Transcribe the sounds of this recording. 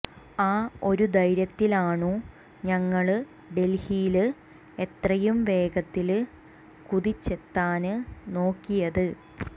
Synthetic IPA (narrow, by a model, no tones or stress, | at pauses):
aːo̞ɾud̪ɐjɾjɐt̪ːilaːɳu | ɲɐŋːɐɭɨ | ɖe̞lhijlɨ | e̞t̪rɐjumʋe̞ːɡɐt̪ːil | kuðit͡ɕːe̞t̪ːaːnɨno̞ːkːijɐðɨ